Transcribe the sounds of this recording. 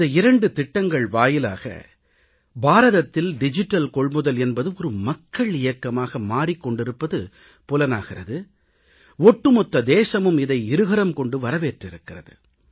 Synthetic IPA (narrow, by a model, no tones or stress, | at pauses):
d̪ɐɪɾɐɳɖɯt̪ɪʈːɐŋɡɐɭʋaːjɪla̰ːɣɐ̰ | baːɾɐðɐt̪ːɪlɖɪd͡ʒɪʈːɐlkɔɭmɯðɐlɛnbɐðɯmɔɾɯmɐkːɐɭɪjɐkːɐmaːɣɐmaːɾɪkːɔɳɖɪɾɯpːɐðɯ | pʊlɐna̰ːɣɪrɐðɯ | ɔʈːrɯmɔt̪ːɐd̪eːsɐmɯmɪðɐɪɪɾɯɣɐɾɐmkɔɳɖɯʋɐɾɐʋeːʈrɪɾɯkːɪrɐ̰ðɯ̰